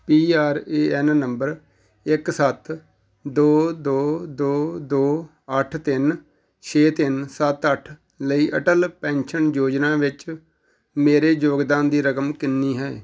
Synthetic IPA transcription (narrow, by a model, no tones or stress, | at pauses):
piːaːɾeːɛnːəmbəɾ | ɪksət̪ | d̪oːd̪oːd̪oːd̪oː | əʈʰt̪ɪn | t͡ʃʰeːt̪ɪnsət̪əʈʰ | ləiːʔəʈəlpɛ̃ːnʃənjoːd͡ʒnãːʋɪt͡ʃ | meːɾeːd͡ʒoːɡd̪ãːnd̪iːɾəkəmkɪnːiːɦɛː